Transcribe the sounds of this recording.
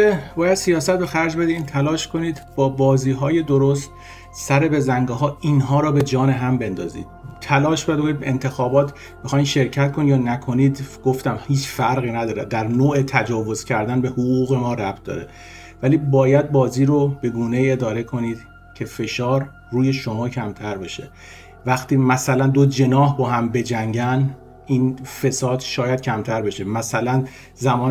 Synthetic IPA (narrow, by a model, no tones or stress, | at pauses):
ebɒːjæd̪sijɒːsæt̪̚be̞xæɾd͡ʒbe̞d̪iiːnt̪ʰælɒːʃkʰo̞niːd̪bɒːbɒːziːɦɒːje̞d̪oɾost̪ | sæɾebe̞zæŋɡɔɦɒːʔiːnɦɒːɾɒːbe̞d͡ʒɒːne̞ɦæmbe̞nd̪ɒ̰ːzḭːd̪̥̚t̪ʰælɒːʃbejæd̪kʰonid̪bent̪ʰe̞xɒːbɒːt̪ʰ | bexɒːjmʃe̞ɾcʰæt̪̚kʰonijɒːnækʰo̞niːd̪ɡ̥oft̪æmhiːt͡ʃʰfæɾɣiːnæd̪ɒːɾed̪æɾnoːet̪ʰæd͡ʒɒːvo̞z̥cʰæɾd̪ænbe̞huɣuːɣemɒːɾæb̚t̪̚d̪ɒ̰ːɾe | væliːbɒːjæd̪̚bɒːziːɾob̥e̞ɡuːne̞iːe̞d̪ɒːɾe̞kʰo̞niːd̪̥ | cʰe̞fe̞ʃɒːɾ | ruːje̞ʃo̞mɒːcʰæmt̪ʰæɾbe̞ʃe̞ | væxt̪iːmæsælænd̪od͡ʒe̞nɒːɦbɒːɦæmbe̞d͡ʒæŋɟæn | ʔiːnfe̞sɒːd̪ʃɒːjæd̪̥̚cʰæmt̪ʰæɾbe̞ʃemæsælæn | zæmɒːn